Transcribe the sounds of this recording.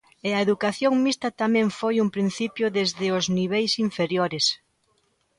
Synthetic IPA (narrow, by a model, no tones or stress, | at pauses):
ɪɐeðukaθjoŋmist̪ɐt̪amɛ̃ɱfojumpɾin̟θipjʊðezðɪʊzniβ̞ejsiɱfeɾjoɾes